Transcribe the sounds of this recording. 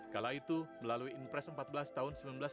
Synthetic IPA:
kalait̪uməlaluiːnpɾɛsəmpat̪̚bəlast̪aɦʊnsəmbilanbəla

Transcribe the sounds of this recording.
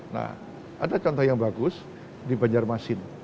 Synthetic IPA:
na̰h | ʔadat͡ʃɔnt̪ɔjaŋbaɡʊs | dibaɲd͡ʒarmasɪn

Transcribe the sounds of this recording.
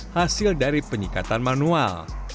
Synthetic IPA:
hasɪldaɾipəɲikat̪anmanual

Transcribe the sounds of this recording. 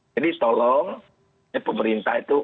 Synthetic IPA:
d͡ʒadit̪ɔlɔŋ | apəməɾint̪ahit̪u

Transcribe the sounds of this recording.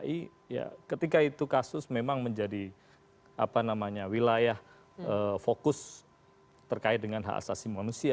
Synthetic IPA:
i | ja̰kət̪ikait̪ukasʊsmemaŋməɲd͡ʒadi | a̰panamaɲawilajah | əfokʊs | t̪ərkaɪt̪̚dəŋanɦa̰ʔa̰sasimanusia

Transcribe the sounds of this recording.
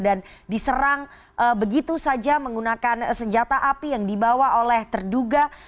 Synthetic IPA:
dandisəɾaŋ | ʔəbəɡit̪usad͡ʒaməŋɡunakansəɲd͡ʒat̪aʔapijaŋdibawaʔolɛht̪ərduɡa

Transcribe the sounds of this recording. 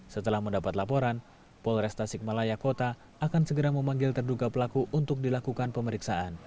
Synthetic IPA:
sət̪əlahməndapat̪lapoɾan | pɔlrɛst̪asɪk̚malajakot̪aː | kansəɡəɾaməmaŋɡɪlt̪ərdukapəlakuʔunt̪ʊk̚dilakukanpəməɾiksaʔan

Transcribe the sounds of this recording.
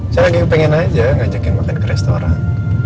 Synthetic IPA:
saɾaɡaŋpɛŋɛnad͡ʒaŋɡad͡ʒakaŋmakɪnkəɾɛst̪oɾa̰n

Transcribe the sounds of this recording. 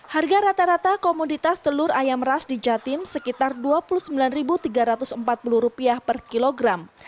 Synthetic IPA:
harɡaɾat̪aɾat̪akomudit̪ast̪əlʊɾajamrasdid͡ʒat̪ɪmsəkit̪arduapuluhsəmbilanribut̪iɡaɾat̪ʊsəmpat̪̚puluhɾupiahpərkiloɡɾam

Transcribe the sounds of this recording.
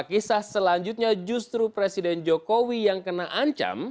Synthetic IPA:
kisahsəlaɲd͡ʒut̪̚ɲad͡ʒust̪ɾupɾesidɛnd͡ʒokowijaŋkənaʔaɲt͡ʃa̰m

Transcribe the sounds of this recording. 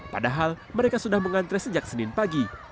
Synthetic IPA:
pa̰daɦal | məɾekasudahməŋant̪ɾɛsəd͡ʒak̚sənɪnpaɡi

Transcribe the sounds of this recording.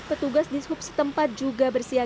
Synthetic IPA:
pət̪uɡasdishʊp̚sə̥t̪əmpat̪̚d͡ʒuɡabərsia

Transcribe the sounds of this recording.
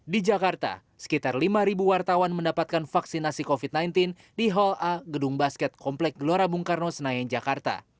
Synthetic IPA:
did͡ʒakart̪a̰ | sə̥kit̪arlimaɾibuwart̪awanməndapat̪̚kanfaksinasikofid̪̚najnt̪in | diɦɔlaɡəduŋbaskɛt̪̚kʰɔmplɛk̚ɡəloɾabuŋkarnosənajaŋd͡ʒakart̪a̰

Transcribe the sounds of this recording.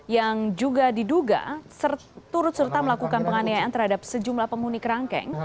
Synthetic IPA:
jaŋd͡ʒuɡadiduɡa̰sərt̪uɾʊt̪̚sərt̪aməlakukanpəŋanaaant̪ərɦadap̚səd͡ʒumlahpəŋunikəɾaŋkɛ̰ŋ

